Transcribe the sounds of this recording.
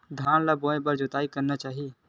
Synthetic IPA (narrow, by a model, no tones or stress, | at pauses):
d̪ʱaːnlaboːẽbəɾd͡ʒot̪aːikəɾnat͡ʃaːɦi